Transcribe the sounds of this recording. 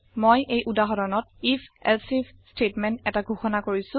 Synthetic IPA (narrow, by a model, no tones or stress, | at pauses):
mojʔejʔudaɦɔdɔnɔt̚ipʰɛ̰lsipstetmɛntɛtaɡʱuxɔnakoɹisʊ̃